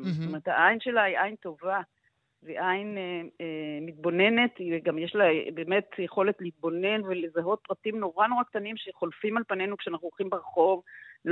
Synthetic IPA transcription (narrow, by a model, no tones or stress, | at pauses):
t̪ome̞ʁet̪haʔajnʃe̞laiʔajnto̞va | veʔajnemit̪̚bo̞ne̞ne̞tiɡamjeʃlabeːme̞tjeχo̞le̞tlihit̪̚bo̞ne̞nvelezaɦo̞t̪̚pʁatimnoʁano̞ʁakt̪animʃeχo̞lfimalpane̞nukʃeanaχnuoχimbeʁχo̞vl